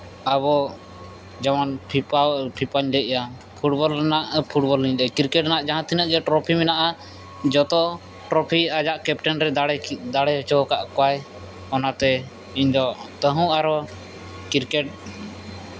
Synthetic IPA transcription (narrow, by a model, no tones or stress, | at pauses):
aβɔ | d͡ʒamanpʰipapʰipaɲlɛʔja | pʰuʈbɔlnaʔpʰuʈ̚bɔlːiɲd̪ɛkiɾkɛʈnaʔd͡ʒaɦãt̪ʰinəʔɡɛʈɾɔpʰimɛnaʔa | d͡ʒɔt̪ɔ | ʈɾɔpʰiad͡ʒaʔkɛpʈɛnɾɛd̪aɽɛd̪aɽɛt͡ʃɔkaʔkɔwaj | ɔnat̪ɛ | iɲd̪ɔt̪əɦũʔaɾɔ | kiɾkɛʈ̚